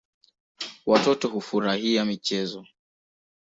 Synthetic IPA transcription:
watɔtɔɦufuɾahiamit͡ʃɛzɔ

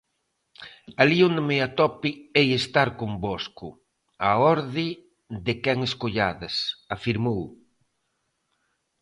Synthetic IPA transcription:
aliond̪ɪmeat̪ɔpiejest̪aɾkombɔskʊ | aɔɾðɪ | d̪ɪkɛŋeskoʎaðɐsafiɾmow

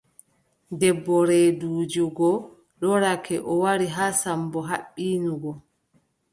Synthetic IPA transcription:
dɛbːɔɾɛduːd͡ʒuɡɔ | ɗɔɾakʰɛʔɔwaɾiɦaːsambɔɦaɓːiːnuɡɔ

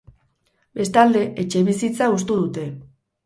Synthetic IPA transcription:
be̞st̪ald̪e̞ʔet͡ʃe̞βisit͡saust̪uðut̪e̞

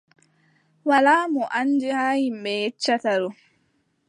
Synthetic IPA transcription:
walaːmɔʔanːd͡ʒihaːhimɓɛjɛt͡ʃːataɾɔ

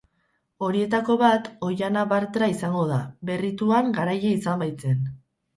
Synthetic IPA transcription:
o̞ɾie̞t̪ako̞βat̪o̞janaβaɾt̪ɾaisaŋɡo̞ðaβe̞rit̪uaŋɡaɾajeisambajt͡se̞n

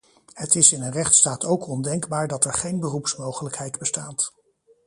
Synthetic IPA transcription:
hətɪsɪnənrɛχtstaːtʰowkʰɔndɛŋɡbaːɹdɑtɛɹχejnbərupsmowχələkɦɛjdbəstaːt

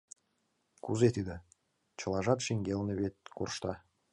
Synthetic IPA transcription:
kuzet̪ʲid̪ɘ̆ | t͡ɕɤ̆lˠɑʒɑt̪ʃiŋɡʲelneβet̪̚ʲkurʃt̪ɑ

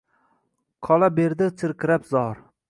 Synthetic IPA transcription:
qʰɒlˠabeɾd̪ɪt͡s̪ʰɪɾkʲɪɾapzɒɾ

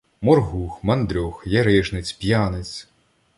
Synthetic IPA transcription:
mɔrɦuxmɐnd̪ɾʲɔxjɐɾɪʒnɪt͡sʲpʲjanɪt͡sʲ

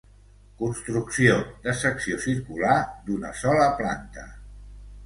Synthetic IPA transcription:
kunst̪ɾuksiod̪əsəksiosiɾkulad̪unəsɔləpla̰nt̪ə

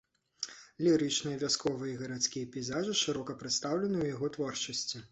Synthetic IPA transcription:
lʲiɾɨt͡ʂnɨjɐvʲaskɔvɨjɐiɣɐɾat̪sʲkʲijɐpʲijzaʐɨʂɨɾɔkɐpɾɨt̪st̪awlʲɛnɨwjaɣɔt̪vɔrt͡ʂɐsʲt͡sʲi

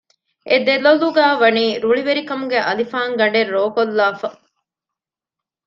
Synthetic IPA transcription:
ʔed̪eloluɡæːʋɐniːɾuɭiʋeɾikɐmuɡeʔɐlifaːŋɡɐɳɖeɾːoːkolːaːfɐ

